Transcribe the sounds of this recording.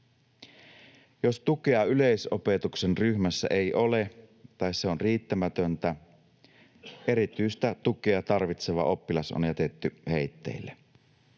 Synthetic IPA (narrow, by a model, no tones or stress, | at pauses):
jost̪ukeɑyleisopet̪uksenryhmæsːæ̰ʔeiʔole | t̪ɑisseonriːt̪ːæmæt̪ønt̪æ | ʔe̞ɾit̪yist̪æt̪ukeɑt̪ɑrʋit̪seʋɑ̰ʔo̞pːilɑso̰njæt̪et̪ːyheit̪ːḛilːe